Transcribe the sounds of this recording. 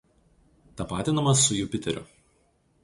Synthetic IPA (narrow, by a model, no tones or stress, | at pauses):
t̪ɐpɑːt̪ʲɪnɐmɐsʊjuːpʲɪt̪ʲɛɾʲʊ̰